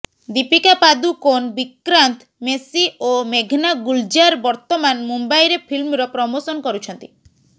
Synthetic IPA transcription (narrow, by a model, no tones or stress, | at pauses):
d̪ipikapad̪ukonbikɾant̪ | mesiomeɡʱnaɡuld͡ʒaɾbɔɾt̪ɔmanmumbajɾepʰilmɾɔpɾɔmosɔnkɔɾut͡ʃʰɔnt̪i